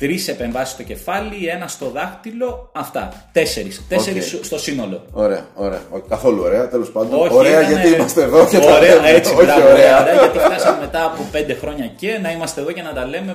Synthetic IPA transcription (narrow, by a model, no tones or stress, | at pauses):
t̪ɾise̞pe̞ɱvɐsist̪o̞ce̞fɐlie̞nɐst̪o̞ðɐxt̪ilo̞ɐft̪ɐ̰t̪e̞se̞ɾist̪eseɾisst̪o̞sino̞lo̞oɾeɐ̰oɾḛɐ̰oi̥kɐθo̞luoɾe̞ɐt̪elo̞spɐnd̪oooɾeɐʝɐt̪iimɐst̪eːðoeoɾeɐet͡sioɐoɾeɐoɾeɐʝɐt̪iθɐsɐeme̞t̪ɐːpo̞pe̞nd̪e̞xɾo̞ɲɐcenɐimɐst̪eðo̞cenɐt̪ɐle̞ume